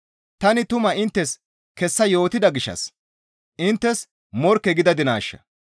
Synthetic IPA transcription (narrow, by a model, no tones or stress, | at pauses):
t̪ɐnɪt̪ʊmɐɪnt̪ːɛs | kɛsːɐjo̞ːt̪ɪd̪ɐɡɪʃːɐ̰s | ʔɪnt̪ːɛs | mɔɾkːɛɡɪd̪ɐd̪ɪnaːʃːɐ̰